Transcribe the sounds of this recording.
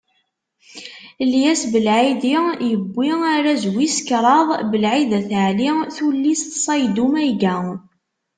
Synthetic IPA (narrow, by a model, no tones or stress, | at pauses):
ljæsbəlʕidijəbːiaɾæzwiskɾˤɑðˤbəlʕiðæθəʕliθulːist̪sˤɑjd̪umæjɡæ